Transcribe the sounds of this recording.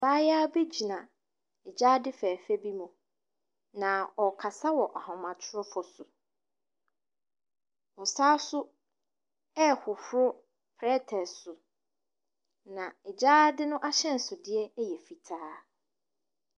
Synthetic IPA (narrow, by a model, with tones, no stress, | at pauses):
baː˦jaː˦be˦d͡ʑi˨nã˨ | ɛ˨d͡ʑa˦dɪ˦fɛ˨fɛ˦bi˦mũ˨ | nã˨ɔ˨kʰa˨sa˦wɔ˨ʔa˨hɔ̃˨mã˨tʰʊ˦ɾʊ˦fɔ˨sʊ˨ | ɔ˨saː˦sʊ˦ | ɛ˦hʊ˨fʊ˦ɾʊ˦ | pʰɾɛ˦tʰɛ˨sʊ˨ | nã˨ɛ˨d͡ʑaː˦dɪ˦nʊ̃˦ʔa˦ɕɛ̃˦n̩˨sʊ˨dɪ˦ɛ˦jɛ˨fi˨tʰaː˦